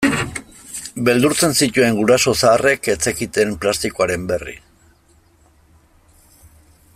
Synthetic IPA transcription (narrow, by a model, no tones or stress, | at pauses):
be̞ld̪uɾt͡se̞nsit̪ue̞ŋɡuɾaso̞saːre̞ke̞t͡se̞kit̪e̞mplast̪ikoaɾe̞mbe̞rḭ